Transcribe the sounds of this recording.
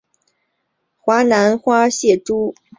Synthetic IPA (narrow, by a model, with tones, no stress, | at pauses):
xwa˧˥na˧˥nxwa˥ɕjɛ˥˩ʈ͡ʂu˥